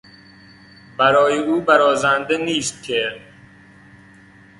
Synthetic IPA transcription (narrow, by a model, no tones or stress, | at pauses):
bæɾɒːjeuːbæɾɒːzænd̪eniːst̪̚cʲʰe